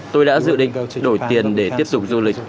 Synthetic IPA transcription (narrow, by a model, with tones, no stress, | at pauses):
t̪o˧jɗa̰ː˧˥zɨ̰˧˨ɗḭ˧˨ŋɗo˧˩jt̪i˨˩ənɗe˧˩t̪i˦˥əp̚t̪ʊ˨˩k͡p̚zu˧lï˨˩k̟̚